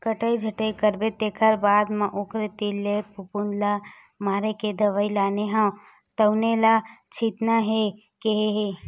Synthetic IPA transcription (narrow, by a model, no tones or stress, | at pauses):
kəʈəid͡ʒʱəʈəikəɾbet̪eːkʰəɾbaːd̪mɐ̃ʔʊkɾet̪ilepupunla | maːɾeked̪ɐʋailaːneɦã | t̪əʊnelat͡ʃʰit̪naɦe | keɦeɦe